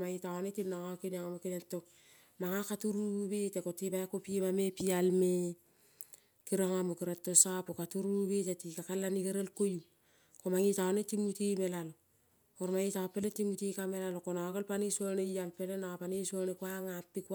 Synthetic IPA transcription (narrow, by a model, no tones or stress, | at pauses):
majitaonetinːaŋakineŋamokinetːok | maŋakatuɾubetekotibakopiimamepialme | kiɾaŋamukiɾatːosapokatuɾubetetikakalːanikeɾelkoju | komaŋitaonetːimutimelalo | koɾmajitapːeletimutikamelalokonakolpaniswonejalpelenapanesonekwaŋapːik